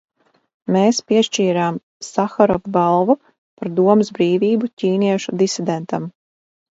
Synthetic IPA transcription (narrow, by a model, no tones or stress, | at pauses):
meːspiɛʃt͡ʃiːɾaːm | saxaɾɔvbalˠva | paɾd̪uɔmɨzbɾiːviːbucʲiːniɛʃud̪isid̪ɛnt̪am